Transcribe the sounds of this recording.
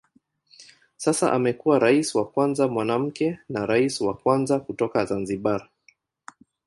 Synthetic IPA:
sasa̰ʔamɛkuwaɾaisiwakwanzamwanam̩kɛnaɾaisiwakwanzakutɔkazanziɓaɾa

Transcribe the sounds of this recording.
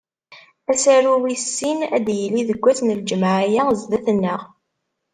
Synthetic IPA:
æsæɾuwisːinæ̰d̪jəlːiðəɡʷːæsnəld͡ʒmaʕajazðæθənːəʁ

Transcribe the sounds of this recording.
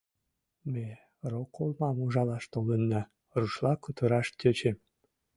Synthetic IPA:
me | rokolmɑmuʒɑlɑʃt̪olənːɑ | ruʃlɑkət̪əɾɑʃt̪ʲøt͡ɕem

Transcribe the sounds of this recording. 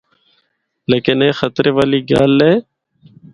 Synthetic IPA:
leːkɪnẽːxət̪ɾeːʋaːliːɡa̰ːlːeː

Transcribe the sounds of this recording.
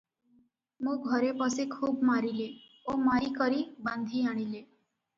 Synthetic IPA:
mũɡʱəɾepəsekʰuːbmaɾile | omaikəɾibãnd̪ʱiaɽ̃ile

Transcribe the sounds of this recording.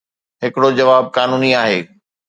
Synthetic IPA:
ɦɪkɪɽod͡ʑɐʋaːb̚kaːnuːniaːɦeː

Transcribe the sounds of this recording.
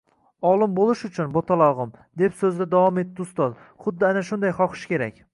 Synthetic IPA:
ɒlˠɪmbolˠɪʃʊt͡ʃʰʊnbot̪ʰalˠɒʁɨmd̪e̞psɵzd̪ad̪avɒme̞t̪ːɪʊst̪ɒz | χʊd̪ːɪanaʃʊnd̪ajχɒqʰɨ̥ʃkʲe̞ɾakʲ

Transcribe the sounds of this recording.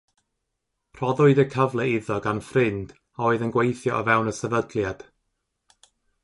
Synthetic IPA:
pʰr̥ɔðʊɨdəkʰəvlˠɛɪðɔɡanfrɪnd̥ | aoɨðənɡwejθjɔvɛwnəsɛvədlˠjad̥

